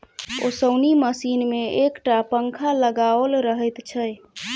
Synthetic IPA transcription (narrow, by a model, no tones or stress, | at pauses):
o̰səwniməsinmeekʈapəŋkʰaləɡaəlɾəɦəjt̪t͡ʃʰəj